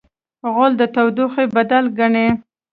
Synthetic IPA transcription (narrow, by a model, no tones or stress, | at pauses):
ɣʊld̪ət̪awd̪uxebad̪alɡaɳe